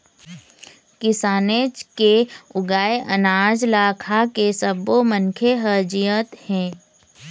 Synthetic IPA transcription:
kɪsaːnet͡ʃkeʊɡaːeʔɐnaːd͡ʒlaːkʰakesəbomənkʰeɦəːd͡ʒɪjət̪hɛ̃ː

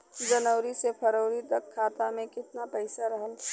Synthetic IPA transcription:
d͡ʒənəʊɾisepʰəɾoːɾit̪əkʰːaːt̪amẽkɪt̪napəɪsaɾɐɦəl

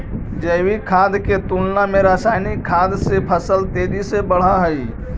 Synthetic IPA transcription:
d͡ʒəɪwikʰaːd̪ket̪ulnameɾasaːɪnikʰːaːd̪sepʰəsəlt̪eːd͡ʒisebəɽ̤aɦəi

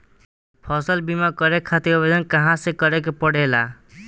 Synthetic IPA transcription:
pʰɔsəlbimakəɾekʰat̪ikbed͡ʒənkəɦãsekəɾek̬epəɽ̤ela

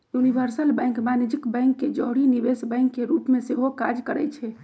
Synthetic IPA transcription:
junibʱəɾsəlbɛ̃jŋkmaned͡ʒikbɛ̃jŋkːed͡ʒɔɦɽinibesbə̃ŋkːeɾupmeseɦokad͡ʒkəɾə̰t͡ʃʰɛ

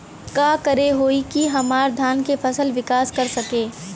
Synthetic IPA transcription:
kaːkəɾeɦoːikiɦɐmaːɾd̪ʱaːnkefʰɐsəlʋɪkaːskɐɾsɐkeː

